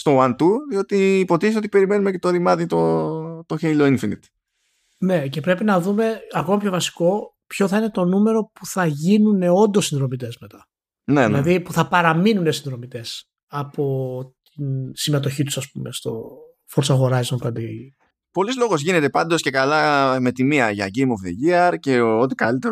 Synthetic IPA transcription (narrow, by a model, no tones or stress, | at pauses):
st̪o̞ɐnt̪uðio̞t̪iːpo̞t̪iesot̪ipe̞ɾime̞numecet̪oðimɐðit̪ot̪o̞çejlo̞infinḭt̪ | ne̞cepɾe̞pinɐðume̞ɐko̞mɐpço̞vɐsi̥ko̞ | pço̞θɐine̞t̪o̞nume̞ɾo̞puθɐʝinune̞o̞nd̪o̞sːinðɾo̞mit̪̬e̞zme̞t̪ɐ | nenɐðipuθɐpɐɾɐminunesinðɾo̞mit̪e̞s | ɐpo̞t̪insime̞t̪̬o̞çit̪u̥sɐspume̞st̪o̞ | foɾsɐɣo̞ɾɐjzonkɐd̪i | po̞lizlo̞ɣozʝine̞t̪e̞pɐnd̪o̞sce̞kalɐme̞t̪imiɐʝɐ̰ɟejmofðeʝiɐɾce̞o̞t̪ikalit̪e